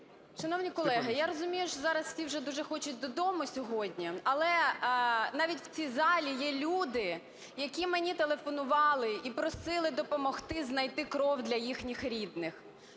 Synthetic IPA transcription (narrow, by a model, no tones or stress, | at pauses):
ʃɐnɔwnʲikɔlˠɛɦɐjaɾɔzʊmʲijʊʃzɑɾɐsfsʲiwʒɛd̪uʒɛxɔt͡ʃʊt̚ʲd̪ɔd̪ɔmʊsʲɔɦɔdʲnʲiɐlˠɛ | nɑʋʲitʲwt͡sʲijzɑlʲijɛlʲud̪ɪ | jɐkʲimenʲit̪elˠefɔnʊʋɑlˠɪipɾɔsɪlˠɪd̪ɔpɔmɔxt̪ɪznɐjt̪ɪkɾɔwd̪lʲɐjixnʲixɾʲid̪nɪx